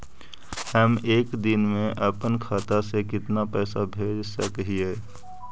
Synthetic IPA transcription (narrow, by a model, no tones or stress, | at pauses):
həmeːkd̪ɪnmẽʔəpənkʰaːt̪asekɪt̪napɛːsabʱeːd͡ʒsəkɦieː